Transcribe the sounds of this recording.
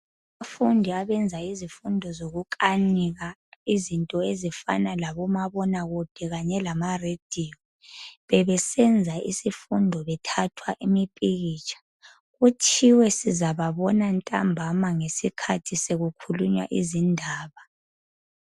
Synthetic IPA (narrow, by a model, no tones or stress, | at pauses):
amafundʱiaβɛnd͡zʱaizifundʱɔzoɣukʼaniɣaizintʼɔezifa̰nalaβɔmaβɔnaɣud̥ʱɛɣaɲɛlamared̥ʱiːɔ | βɛβɛsɛnd͡zʱaʔisifundʱɔβɛtʰatʰwaʔimipʼiɣiːt͡ʃʼʰḁ | ɣut͡ʃʰiwɛsizaβaβɔnantʼambʱamaŋesikʰatʰiseɣukʰuluɲwa̰ʔizindʱaːβa